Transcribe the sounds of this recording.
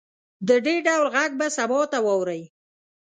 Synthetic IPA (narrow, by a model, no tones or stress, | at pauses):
d̪əɖeɾɖawlɣaɡ̚basabɔt̪awɑwɾəj